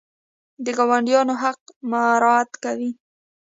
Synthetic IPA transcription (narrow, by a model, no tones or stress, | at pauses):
d̪əɡɑwaɳɖjɑnoɦaqmaɾɑt̪kawi